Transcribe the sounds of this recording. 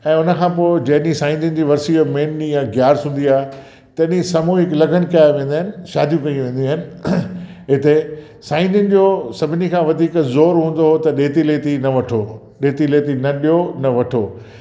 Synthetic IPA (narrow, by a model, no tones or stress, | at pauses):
ɛ̃ːʊnə̆kʰãːpoːɪd͡ʑɐɦɗisãːɪ̃nd̪ɪnɪ̆d͡ʑiːʋɐɾsiomeːnɗijãɡjaːɾsũːnd̪iaːɦe | t̪ɐɗĩsɐmuːɪklɐɡʱənkɐaʋẽːn̆d̪aːɦɪnɪ̆ʃaːd̪ʱjũkɐĩʋẽːn̆d̪iaːɦɪnɪ̆ | ɦɪt̪e | sãːɪ̃nd̪ɪnɪ̆d͡ʑoːsɐbʱɪnikʰãːʋɐd̪ʱiːkzoːɾɦũːn̆d̪oɦot̪ɐɗeːt̪ileːt̪inɐʋɐʈʰoː | ɗeːt̪ileːt̪inɐɗijonɐʋɐʈʰoː